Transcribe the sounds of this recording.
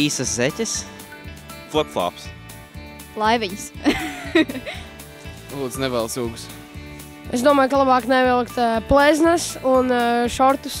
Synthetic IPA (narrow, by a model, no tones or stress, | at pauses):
iːsɐszɛtʲəs | klˠɛpflˠɑ̰ːps | lˠajviɲs | lˠuːd̪znɛvɛlˠsuːɡus | esd̪uɔmaːjkalˠabɑːknɛvɛlˠkt̪plɛznasunʃɔɾt̪us